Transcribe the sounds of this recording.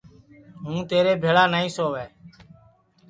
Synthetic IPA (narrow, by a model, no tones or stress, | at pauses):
ɦũːt̪eːɾeːbʱeːɭaːnaːĩːsoːʋeː